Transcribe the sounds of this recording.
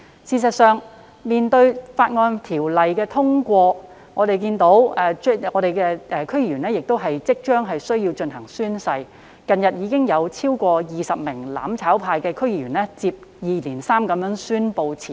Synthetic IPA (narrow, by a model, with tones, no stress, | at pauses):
siː˨˧sɐ˨t̚sœː˨ŋ | miː˨nt̪ɵ˧ɥfaː˧t̚ŋɔː˧nt̪ʰiː˨˩wlɐ˨jkɛː˧t̪ʰʊ˥ŋkʷɔː˧ | ŋɔː˨˧t̪e˨jkiː˧nt̪o˨˥wɛ˨˧˥ɔː˨˧ɾe˨jkɛ˧ʔɛː˨˧kʰɵ˥ɥji˨˧ɥyː˨˩nɛː˥jɪ˨k̚t̪o˥wɦɐ˨jt͡sɪ˥k̚t͡ʃœː˥ŋɦɐ˨jsɵ˥ɥjiː˧wt͡ʃɵ˧nɦɐ˨˩ŋsyː˥nsɐ˧j | kɐ˨njɐ˨t̚jiː˨˧kɪ˥ŋjɐ˨˧wt͡sʰiː˥wkʷɔː˧jiː˨sɐ˨p̚mɪ˨˩ŋla̰ː˨˥mt͡sʰaː˨˥wpʰaː˧jkɛː˧kʰɵ˥ɥjiː˨˩yː˨˩nɛː˥t͡siː˧p̚jiː˨˩liː˨˩nsaː˥mkɐ˨˧mjœː˨˥ŋsyː˥npo˧wt͡sʰiː˨˩